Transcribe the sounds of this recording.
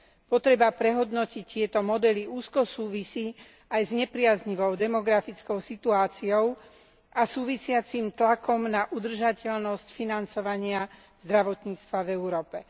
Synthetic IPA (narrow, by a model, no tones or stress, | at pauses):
pɔt̪ɾɛbapɾɛɦɔd̪nɔcict̪ɪɛt̪ɔmɔd̪ɛliuːskɔsuːʋisiː | ajzɲɛpɾɪazɲiʋɔʊd̪ɛmɔɡɾafit͡skɔʊsit̪uaːt͡siɔʊ | ʔasuːʋisɪat͡simt̪lakɔmnaʔud̪r̩ʒacɛʎnɔscfinant͡sɔʋaɲɪa | z̥d̪ɾaʋɔt̪ɲiːt͡st̪ʋavɛuɾɔːpɛ